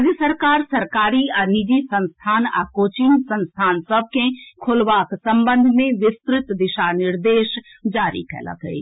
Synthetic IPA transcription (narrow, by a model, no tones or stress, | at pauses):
d͡ʒjəsəɾkaːɾsəɾkaːɾianɪd͡ʒisə̃nst̪ʰaːna̰ːkoːt͡ʃɪnsə̃nst̪ʰaːnsəb̚kẽkʰʊlʋaːksə̃mbə̃nd̪ʱmẽʋɪst̪ɾɪt̪d̪ɪʃanɪɾd̪eːʃ | d͡ʒaːɾḭkʰɛ̰ːla̰kə̰ḭ